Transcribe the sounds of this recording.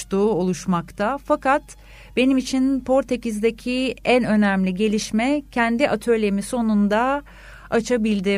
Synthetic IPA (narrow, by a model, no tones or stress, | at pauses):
t̪uo̞lˠuʃmakt̪ʰafakat̪ | b̥e̞nimit͡ʃʰinpʰo̞ɾt̪ʰecizd̪ecʰiænø̞næmlʲiɟe̞lʲiʃmɛcʰɛnd̪iʔat̪ʰø̞ɾlʲe̞miso̞nund̪a | at͡ʃʰabilʲd̪ɪ